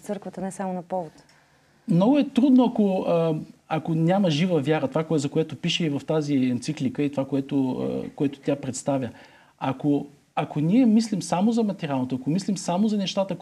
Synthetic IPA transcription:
sɤɾkvət̪ənɛsamonɐpɔvot̪ | mnɔɡʊɛt̪ɾud̪noɐko | ɐkonʲaməʒivəvjaɾɐt̪ovakoɛzɐkoɛt̪opiʃɛivɐft̪aziɛnt̪siklikəit̪ovakoɛt̪o̰koɛt̪ʊ̥t̪ʲjapɾɛt̪st̪avʲjə | ɐko | ɐkonʲiɛmislimsamozɐmɐt̪ɛɾʲjalˠnot̪oɐkomislimsamozɐnɛʃt̪at̪ə

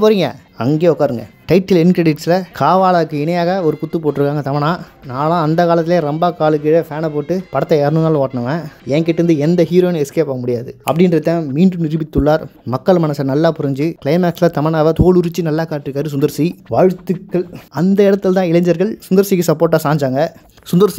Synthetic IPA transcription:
poːɾiŋɡɐ̰ | ɐŋɡeːɔkːaːɾɯŋɡɐ̰ʈɐɪʈːɪlɪnkɾɛɽɪʈsɪlɐkʰaːʋaːɭaːɯkːɯɪɳɐjaːɣɐɔɾɯkʊt̪ːɯpoːʈːɪɾɯkːaːŋɡɐt̪ɐmɐɳaːnaːlãːɐnd̪ɐkaːlɐt̪ːɪleːɾɔmbaːkaːɭɯk̬ːɪɽɐfaːnɐpoːʈːɯpɐɽɐt̪ːɐeːɾɐnɯnaːloːʈɐɳɐʋẽɛːŋkɪʈːɯɾɯnd̪ɯɛnd̪ɐɦiːɾoːɪnɛskeːpaːɣɐmʊɽɪjaːðɯɐpːɐɽɪnɾɯt̪ːãːmiːɳɖɯnɪɾɯbɪt̪ːɯɭːaːɾmɐkːɐɭmɐnɐsɐnɐlːaːpʊɾɪɲd͡ʒɯkɪɭɐɪmaːkslɐt̪ɐmɐɳaːʋɐt̪oːɭʊɾɯt͡ʃːɯnɐlːaːkaːʈːɪɾɯkːaːɾɯs̬ʊnd̪ɐɾsiʋaːɻɯt̪ːɯkːɐɭɐnd̪ɐɛɽɐt̪ːɯlt̪ãːɪlɐɲd͡ʒɐɾɣɐɭsʊnd̪ɐɾsikːɯsɐpːoːɾʈːaːsaːɲd͡ʒaːŋɡɐ | sʊnd̪ɐɾsi

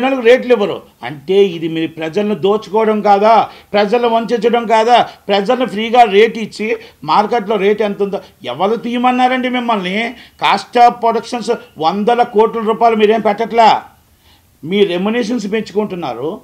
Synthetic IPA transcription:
nɐlɐkuɾe̞ːʈliʋːɐɾṵ | ɐ̰ɳʈe̞ːid̪imiːɾupɾɐd͡ʒɐlɐnid̪o̞ːt͡ʃu̥kɔːʋɐɽɐmkaːd̪aːpɾɐd͡ʒɐlɐnuʋɐɲt͡ʃit͡ʃːɐɽɐmkaːd̪aːpɾɐd͡ʒɐlɐnupʰɾiːɡaːɾe̞ːʈit͡ʃːimaːɾkeʈlo̞ːɾe̞ːʈɐnt̪und̪iɛ̰ʋːɐɾut̪iːjumɐnːaːɾɐɳɖimimːɐlnikaːsʈaːpːɾoɽɐkʂɐnsʋond̪ɐlɐkoːʈlɐɾuːpaːjlumiːɾe̞ːmpɛʈːɐʈlaː | miːɾɾemuniːʂ̬ɐns̬peɲt͡ʃu̥kuɳʈunːa̰ːɾu

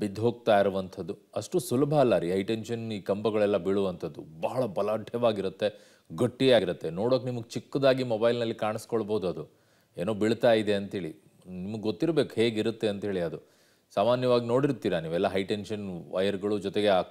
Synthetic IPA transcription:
bid̪ːɦoːɡ̚t̪aːjiɾuʋɐnt̪ʰɐd̪ːuɐʂʈusulɐbʱɐɐlːɐɾiːɦɐjʈenʃɐniːkɐmbɐɡɐɭɛlːɐbiɭuʋɐnt̪ʰɐd̪ːubɐɦɐɭɐbɐlɐɖʱɛʋaːɡiɾut̪ːe̞ | ɡoʈːiaːɡiɾut̪ːe̞no̞ːɽoːknimɐɡet͡ʃikːɐd̪aːɡimobɐjlnɐlːikaːɳɐskoɭboːud̪uɐd̪u | eːno̞ːbiɭt̪aːjid̪e̞ɐnt̪ɦe̞ːɭi | nimɐɡɡot̪ːiɾɐbe̞ːkuhe̞ːɡiɾut̪ːe̞ɐnt̪ɦe̞ːɭiɐd̪u | saːmaːnjɐʋaːɡino̞ːɽiɾt̪iːɾɐniːʋɛlːɐɦɐjʈenʃɐnʋɐjɐɾɡɐɭud͡ʒɔt̪eɡe̞aːk

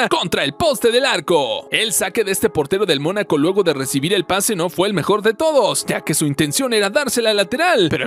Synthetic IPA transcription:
ko̞nt̪ɾae̞lpo̞st̪e̞ðe̞laɾko̞e̞lsake̞ðest̪e̞po̞ɾt̪e̞ɾo̞ðe̞lmo̞nako̞lwe̞ɣo̞ðe̞re̞siβiɾe̞lpasenofwe̞ːlme̞xo̞ɾðe̞t̪o̞ðo̞sʝake̞suint̪e̞nsjo̞ne̞ɾaðaɾse̞lalat̪e̞ɾalpe̞ɾo

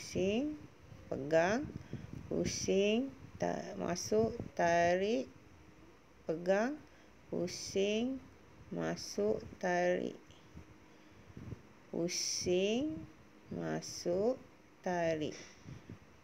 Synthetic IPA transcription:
siŋ | pəɡaŋhṵsɪŋ | mã̰sʊʔt̪aɾiʔ | pəɡaŋ | pṵsɪŋ | masuʔt̪aɾḭʔ | husɪiŋ | masuʔ | t̪aɾḭʔ

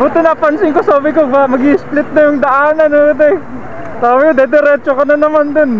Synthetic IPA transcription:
buːt̪ɛnɐpɐnsɪŋkosaːbɪkobamɐɡiːɪsplɪt̪̚nɐjʊŋd̪ɐʔaːnɐnod̪ɛ | saːbɪkod̪ɛd̪ɛɾɛt͡ʃokɐnɐnɐmand̪on

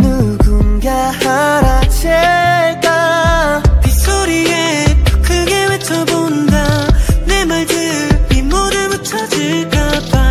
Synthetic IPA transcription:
nɯɡɯnɡahaɾaɕʰeta | pis͈oɾiepʰɯ̥kʰɯɡewet͡ɕʰʌbonndanemaɭdɯpinmoɾɯɭmɯt͡ɕʰʌd͡ʑiɭk͈ap͈a

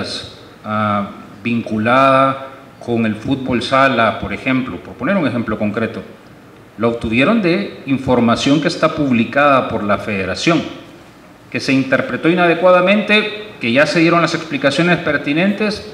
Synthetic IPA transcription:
s | a | biŋkulaða | kʰo̞ŋe̞lfut̪̚bo̞lsalapo̞ɾe̞xe̞mplo̞po̞ɾpo̞ne̞ɾuŋe̞xe̞mplo̞ko̞ŋkɾe̞t̪o̞ | laop̚t̪uβje̞ɾo̞nd̪e̞iɱfo̞ɾmasjo̞ŋkeːst̪apuβlikaðapo̞ɾlafe̞ðe̞ɾasjo̞ŋ | ke̞se̞int̪e̞ɾpɾe̞t̪o̞inað̞e̞kwaðamẽ̞nt̪e̞ke̞ʝase̞ðje̞ɾo̞ŋlase̞ksplikasjo̞ne̞spe̞ɾt̪inẽ̞nt̪e̞s

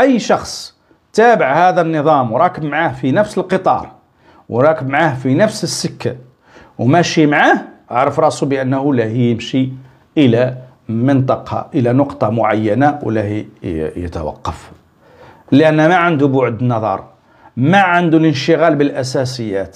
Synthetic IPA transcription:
ʔəjːʃɑxsˤ | t̪æbəʕhæd̪ænːəðˤɑmwɾˤɑkəbmʕahfinæfsəlqət̪ˤɑ̰ɾˤ | wɾˤɑkəbmʕahfinæfsəsːəkːa | wmæʃimʕahʔaʕɾˤəfɾˤɑsubəʔænːhulæhijəmʃi | ʔəlæ | mənt̪ˤɑqɑ̰ʔəlænoqt̪ˤɑmʊʕajːænawlæhijə̰t̪ə̰wɑ̰qːɑf | ləʔænːæmæʕənd̪ubʊʕd̪nɑðˤɑ̰ɾˤ | mæʕənd̪ulənʃəɣælbəlʔæsæsəjːæt̪

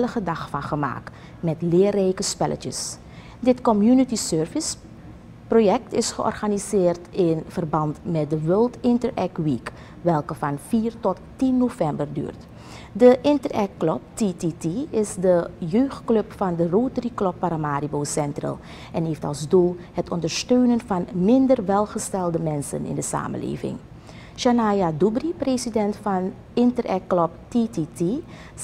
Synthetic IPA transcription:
ləχədɑχfɑnχəma̰ːk | mɛtlɪːrɛjkəspɛlʔə̰t͡ʃə̰s | dɪtkɔmjunitisøːɹvɪs | projɛk̚tɪsχəʔɔ̰rχanizɪːrtɪnvərbɑntmɛt̚dəʋølˠtɪntəɹɛk̚ʋik | ʋɛlˠkəfɑnfiːrtɔttinːovɛmbərdy̰ːrt | dəʔɪntərɛkːlɔp̚tititiɪsdəjøːxtkløpfɑndəroːtəriklɔpːaɾamaːɾiboːsɛntrə̰lˠ | ʔɛnɦeːftɑ̰lˠzdulˠhətʰɔndəɹstøːnənvɑnmɪndərʋɛlˠχəstɛlˠdəmɛnsə̰nɪ̰ndəsa̰ːmə̰nlḛːvɪ̰ŋ | ʃanajadubripreːsidɛntfɑn | ɪntərɛ̰kːlɔp̚tititi

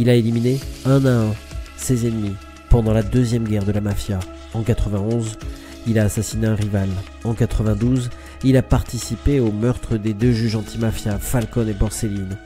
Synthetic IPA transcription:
ilaelimineɛ̃naɛ̃sezɛnmi | pɑ̃d̪ɑ̃lad̪øzjɛmɡʲɛʁd̪əlamafja | ɑ̃kat̪χəvɛ̃ɔ̃z | ilaːsasineɛ̃ʁival | ɑ̃kat̪χəvɛ̃d̪uz | ilapaʁt̪isipeomœʁt̪χəd̪ed̪øʒyʒɑ̃t̪ʰimafjafalkɔnebɔʁselin

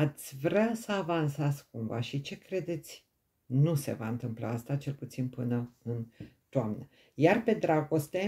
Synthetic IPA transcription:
at̪sʲvɾʲasəavansaskumva̰ʃit͡ʃe̞kɾe̞d̪e̞t̪sʲ | nuse̞̰vaɨnt̪ɨmpla̰ast̪at͡ʃe̞lput̪sinpɨnəɨnt̪oamnə | jarpe̞d̪ɾaɡo̞st̪e

